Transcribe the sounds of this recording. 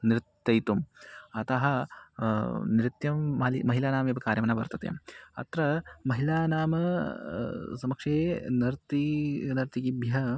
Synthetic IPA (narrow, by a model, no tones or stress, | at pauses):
nɾɪt̪ːɐjt̪umɐt̪ɐɦɐ̆ | nɾit̪jɐmːɐlimɐɦilaːnaːmeːbɐkaːɾjɐmɐnaːʋɐ̰ɾt̪ɐt̪jɐ̰mɐ̰t̪ɾɐmɐɦilaːnaːmɐ | sɐmɐkʂeːnɐɾt̪inɐɾt̪iɡibʱjɐɐ